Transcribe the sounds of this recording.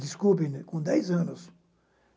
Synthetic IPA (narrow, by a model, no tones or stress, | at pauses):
d̪iskubĩnkõd̪ɛjzɐ̃nʊs